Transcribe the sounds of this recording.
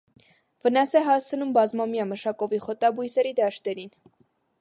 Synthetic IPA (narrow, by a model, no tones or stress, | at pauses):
vənɑsɛɦɑst͡sʰənumbɑzmɑmjɑməʃɑkɔviχɔt̪ɑbujsɛɾid̪ɑʃt̪ɛɾin